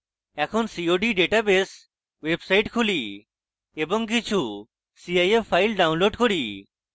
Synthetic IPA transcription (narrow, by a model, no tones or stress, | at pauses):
ɛkʰonsiːoːɖiɖeːʈabes | ʋebsaiʈkʰuli | ebɔŋk̬it͡ɕʰu | siajepʰːailɖaʊ̃nloːɖkɔɽiː